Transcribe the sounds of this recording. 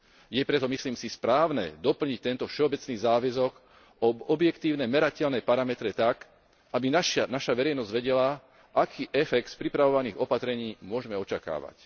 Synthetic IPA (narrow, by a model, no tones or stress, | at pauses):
jɛpɾɛt̪ɔmisliːmsispɾaːʊnɛd̪ɔpl̩ɲic̚t̪ɛnt̪ɔfʃɛɔbɛt͡sniːzaːʋɛzɔɡ | ɔɔbjɛkt̪iːʊnɛmɛɾacɛʎnɛːpaɾamɛt̪ɾɛt̪ak | ʔabinaʃnaʃaʋɛɾɛjnɔzɟʋɛɟɛla | ʔakʰiːʔɛfɛkt̪spɾipɾaʋɔʋaniːɣɔpat̪ɾɛɲiːmʊɔʒɛmɛɔt͡ʃaka̰ːʋa̰c